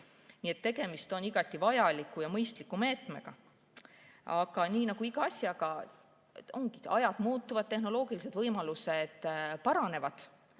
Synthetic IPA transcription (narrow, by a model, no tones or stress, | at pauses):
nie̞t̪ːe̞ɡe̞mist̪o̞niɡ̥ɑt̪ːˑivɑjɑlikːˑujɑmɤjst̪likːˑume̞ːt̪ˑme̞ɡ̥ɑ̰ | ɑɡɑniːnɑɡuiɡ̥ɑɑsʲjɑɡ̥ɑ | o̞ŋɡi̥ɑjɑd̪̥muːt̪ːuvɑd̪̥̚t̪e̞hno̞lo̞ːɡ̥ilise̞d̪vɤjmɑlused̪̥pɑɾɑne̞vɑd̪̥